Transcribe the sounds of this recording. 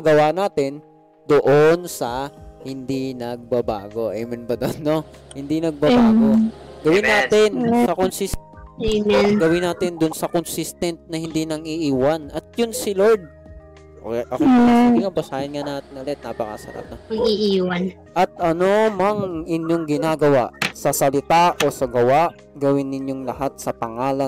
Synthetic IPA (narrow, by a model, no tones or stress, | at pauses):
ɐɡɐwaːnaːt̪ɪn | d̪oʔonsɐhɪnd̪inɐɡ̚bɐba̰ːɡo̞ʔɛjmɛnbɐd̪onːohɪnd̪inɐɡ̚bɐbaːɡoɡɐwinaːt̪ɪnsɐkonsismnɡɐwinaːt̪ɪnd̪ʊnsɐkonsist̪ɛnt̪̚nɐhɪnd̪inɐŋiːʔiːwanɐt̪̚jʊnsɪloɹd̪̚ | oʔɐkoaiŋɐbɐsaːjɐnŋanaːt̪ɪnɐlɛt̪̚na̰ːpɐkɐ̰sɐ̰lʔa̰t̪̚noɐɡiʔiːwan | ʔɐt̪̚ʔɐno̞mɐŋɪnjoŋɡɪnaːɡɐwaʔsɐsɐlɪt̪aʔo̞sɐɡɐwaʔ | ɡɐwɪnːɪɲjoŋlɐhat̪̚sɐpɐŋaːlɐ